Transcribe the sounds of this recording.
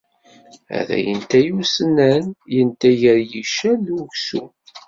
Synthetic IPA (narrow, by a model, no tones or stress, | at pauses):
æ̰ðæ̰jənt̪æjusənːænjənt̪æʝəɾjiʃænuʝsu